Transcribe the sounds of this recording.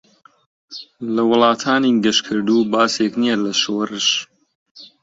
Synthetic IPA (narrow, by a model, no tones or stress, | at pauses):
lɐwʊlˠɑːt̪ʰaːniɡɐʃkʰɨɾd̪uːbaːseknijɛlɐʃoːrɨʃ